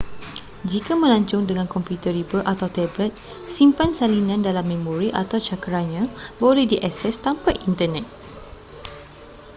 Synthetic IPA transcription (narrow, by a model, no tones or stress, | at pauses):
d͡ʒikamə̃laɲt͡ʃʊŋdəŋãnkɔmpjut̪əɾibəʔat̪awt̪ɛblət̪̚ | simpansalinãndalamːẽmõɾiʔat̪awt͡ʃakəɾanɲãbolɛhdiʔasɛst̪ampajʔint̪ənɛt̪̚